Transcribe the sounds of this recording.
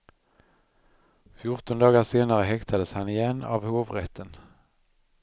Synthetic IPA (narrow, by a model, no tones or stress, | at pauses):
fjʊʈɔnd̪ɑːɡaʂeːnaɾəɦɛkt̪ʰad̪əshanɪjɛnːa̰vhoːvɾɛt̪ʰːən